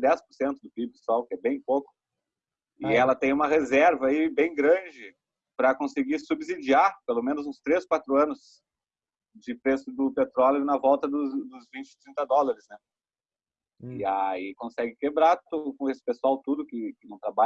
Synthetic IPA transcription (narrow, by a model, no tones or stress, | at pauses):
d̪ɛspʊɾsẽnt̪ʊd̪ʊpibɪsɔwkɪɛbẽj̃pokʊ̥ | ɪɛlɐt̪ẽj̃ũmɐɦezɛɾvɐibẽj̃ɡɾɐ̃d͡ʒɪ | pɾɐkõsɪɡisubzid͡ʒiaɾpelomẽnʊzũst̪ɾeskwat̪ɾʊɐ̃nʊs | d͡ʒɪpɾesʊd̪ʊpet̪ɾɔljʊnɐvɔwt̪ɐd̪ʊd̪ʊzvĩt͡ʃɪ̥t̪ɾĩnt̪ɐd̪ɔlɐɾɪznɛ | ɪaikõsɛɡɪkebɾaɾt̪od̪ʊkõesɪ̥pesuawt̪ud̪ʊkɪkɪnɐ̃w̃t̪ɾaba